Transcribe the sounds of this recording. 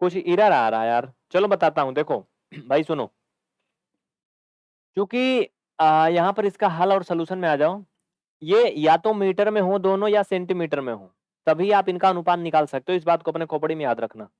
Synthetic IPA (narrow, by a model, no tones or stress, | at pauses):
kʊt͡ʃʰiɾaɾɐɦaɾɐɦajaːɾ | t͡ʃɐlobɐt̪aːt̪aɦũd̪eːkʰoː | bʱaːisʊno̰ː | t͡ʃjũːki | jɐɦãpɐɾɪskaɦɐlɔːɾsɐluːʃənmẽaːd͡ʒaːo | jeːjaːt̪omiːʈəɾmẽɦõd̪oːnõjasɛ̃ːɳʈimiːʈəɾmẽɦõ̰ː | t̪ɐbʱiaːpɪnkaɐnʊpaːd̪nɪkaːlsɐk̚t̪eɦɪs̬baːd̪̚koɐpnekʰoːpɽimẽjaːd̪ɾɐkʰnaː